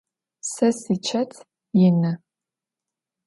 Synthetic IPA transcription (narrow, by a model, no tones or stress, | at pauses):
sɐsit͡ʃʰɐtʰ | jɪnɐ